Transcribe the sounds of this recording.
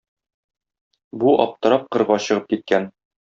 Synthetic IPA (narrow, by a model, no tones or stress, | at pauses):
buɒ̰p̚t̪ɤ̆ɾɑp̚qɤ̆ɾʁɑɕɤ̆ʁɤp̚kit̪̚kæn